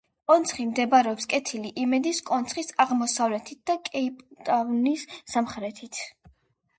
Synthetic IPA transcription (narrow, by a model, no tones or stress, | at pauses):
kʼɔnt̪sʰχimd̪ɛbaɾɛɔpskʼɛt̪ʰiliʔimɛd̪iskʼɔnt̪sʰχisaʁmɔsavlɛt̪ʰit̪̚d̪̥akʼɛipʼt̪ʼavnisːamχɾɛt̪ʰit̪ʰ